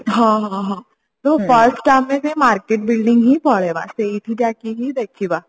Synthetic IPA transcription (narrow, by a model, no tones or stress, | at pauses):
ɦãɦãɦã | t̪ofəɾsʈʈamːẽsemaːɾkeːʈ̚bɪlɖɪ̃ŋɡɦibɔɭeʋa̰seiʈʰid͡ʒaːkiɦid̪ekʰiʋa